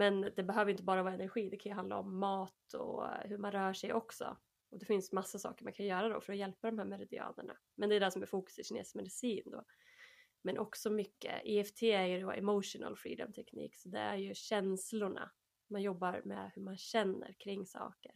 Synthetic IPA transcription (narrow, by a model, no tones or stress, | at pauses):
mɛnd̪ɛbɛɦøːvɾjʏnt̪əbɑːɾavɑːɾaɛnæɾɧiːd̪ɛkʰanjɵɦand̪a̰ɔmːɑːt̪ɔ̰hɵɾmanɾœːʂɛjʔɔksɔ̰ | ɔd̪ɛfɪnsmasːasɑ̰ːkəɾmankʰanjœːɾad̪ɔ̰fœɾɔjɛlpad̪ɔmɦæːɾmɛɾɪd̪ɪ̰ɑ̰ːnə̰ɳa̰ | mɛnd̪ɛːd̪ɛsɔmɛɾfuːkɵ̥sɪɕɪnḛːsmɛd̪ɪsiːnd̪o̰ː | mɛnʔɔksɔmʏkːə̰ɪɛft̪ʰeːæɾjɵd̪ɔʔɛ̰mɔʂʊna̰lfɾḭːd̪ɔ̰mt̪ʰɛknḭːksɔd̪ɛ̰æɾjɵɕɛnslʊɳa̰ | manjɔbːaɾmɛ̰hɵɾmanɕɛnːə̰ɾkʰɾɪŋːsɑ̰ːkəɾ